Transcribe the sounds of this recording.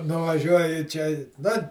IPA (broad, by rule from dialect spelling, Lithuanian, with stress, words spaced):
nʊʋɐˈʒʲuɔjɪ ˈt͡ʃʲɛ nʊ